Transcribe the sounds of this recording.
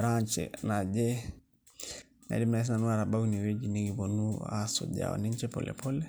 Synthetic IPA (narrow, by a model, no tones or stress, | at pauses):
ɾaɲt͡ʃɛ̰nad͡ʒɛ | na̰dimais̬nanuaɾabaɡuniwed͡ʒiniɡibonua̰so̰ɟa̰o̰niɲt͡ʃɛpɔ̰lʔɛ̰pʰɔlɛ